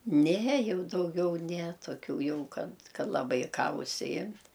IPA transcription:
nʲɛ ˈjɛʊ dɐʊˈɡʲɛʊ nʲɛ toːˈkʲuː ˈjɛʊ ˈkɐt ˈkɐt lˠɐˈbɐɪ ˈkɑː ʊʃʲsʲɪˈjɪmt

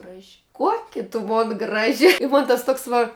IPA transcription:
ˈɡrɑːʒʲɪ ˈkuɔkʲɪ tʊ ˈmoːn ˈɡrɑːʒʲɪ ɪ moːn tɐs ˈtuɔks ʋɐ

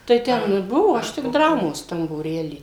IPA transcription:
tɐɪ ˈtʲɛn ɪr ˈbʊʋoː ˈɐʃ tʲɪk ˈdrɑːmoːs ˈtɐm buːˈrʲæːlʲiː

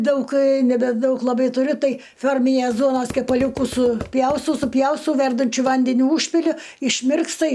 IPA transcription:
ˈdɐʊk nʲɛbʲɛˈdɐʊk lˠɐˈbɐɪ tʊˈrʲʊ ˈtɐɪ ˈfʲoːrʲmʲɪnʲeːs ˈduɔnoːs kʲɛpɐˈlʲuːkʊs sʊˈpʲjɛʊstɐʊ sʊˈpʲjɛʊstɐʊ ˈʋʲɛrdɐnʲt͡ʃʲʊ ˈʋɐnʲdʲɛnʲʊ ˈuːʃʲpʲɪlʲʊ ɪʃʲˈmʲɪrkstɐ

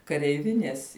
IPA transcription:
kɐrʲɛɪˈʋʲɪnʲeːs

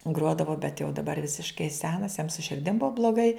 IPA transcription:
ˈɡruɔdɐʋoː bʲɛt jɛʊ dɐˈbɐr ˈʋʲɪsʲɪʃkɐɪ ˈsʲæːnɐs jɛm sʊ ʃʲɪrʲˈdʲɪm ˈbʊɐ blˠoːˈɡɐɪ

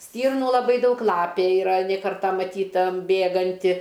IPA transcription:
ˈsʲtʲiːrnuː lˠɐˈbɐɪ ˈdɐʊk ˈlˠɑːpʲeː ɪˈrɐ nʲɛ ˈkɐrtɐ mɐˈtʲiːtɐ ˈbʲeːɡɐnʲtʲɪ

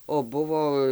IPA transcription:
oː ˈbʊʋoː

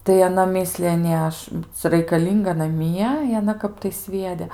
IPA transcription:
tɐɪ ɐˈnɐ ˈmʲɪsʲlʲɪjɛ ˈnʲeː ˈɐʃ ˈt͡sʲɛ rɐɪkɐˈlʲiːŋɡɐ nɐˈmʲiɛ ɪ ɐˈnɐ ˈkɐp tɐɪ ˈsʲʋʲiɛdʲɛ

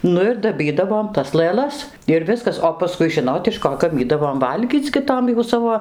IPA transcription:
ˈnʊ ɪr dɐˈbʲiːdɐʋoːm tɐs lˠɘˈlˠɐs ɪr ˈʋʲɪskɐs oː pɐˈskʊɪ ˈʒʲɪnoːt ɪʃ ˈkoː ɡɐˈmʲiːdɐʋoːm ˈʋɐlʲɡʲiːt͡s ɡʲɪ ˈtoːm jɛʊ ˈsɑːʋoː

